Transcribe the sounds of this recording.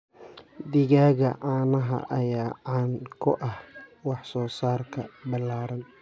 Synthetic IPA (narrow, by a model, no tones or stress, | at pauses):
d̪ɪɣaːɣɐʔaːnɐɦɐ̰ʔɐjaːʕɑnkʰʊʔɐhwɑħsɔːsaːrkʰɐbɪlaːɾɐn